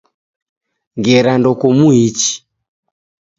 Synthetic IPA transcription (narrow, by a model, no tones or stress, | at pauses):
ŋɡɛɾandɔkɔmuit͡ʃi̥